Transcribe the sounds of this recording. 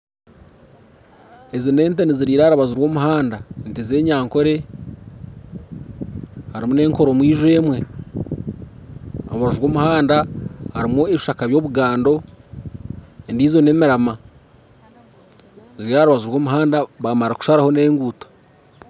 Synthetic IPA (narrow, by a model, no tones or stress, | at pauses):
ezine̞ːnteniziɾiːɾaɾaβazuɾwo̞ːmuɦaːndaenteze̞ːɲaːŋko̞ɾe̞ | haɾimune̞ːŋko̞ɾo̞mwiːʒwe̞ːmwe̞ | a̰aβazuɾwo̞ːmuhaːndahaɾimueβiʃakaβjo̞ːβuɡaːndo̞ | endiːzo̞ne̞ːmiɾama | ziɾjaːɾuβazuɾwo̞ːmuɦaːndaβamaɾaku̥ʃaɾaho̞ne̞ːŋɡuːtḁ